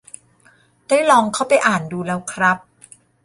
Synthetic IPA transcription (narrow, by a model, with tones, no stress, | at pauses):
daː˥˩jlɔː˧ŋkʰaː˥˩wpa˧jʔaː˨˩nduː˧lɛː˦˥wkʰɾa˦˥p̚